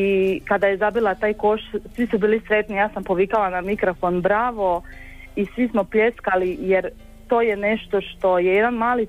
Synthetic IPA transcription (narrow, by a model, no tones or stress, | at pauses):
ikad̪ajezabilat̪aːjko̞ʃtsʋisubiːlisɾe̞t̪nijaːsampoʋikalanamikɾofo̞nbɾaːʋo̞ | isʋismoplʲeskalijeɾ | t̪o̞ːjene̞ʃt̪o̞ʃt̪o̞jejed̪anmaːli